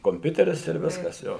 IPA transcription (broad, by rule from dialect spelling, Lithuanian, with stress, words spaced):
koːmʲˈpʲʊtʲɛrʲɪs ɪr ˈʋʲɪskɐs ˈjoː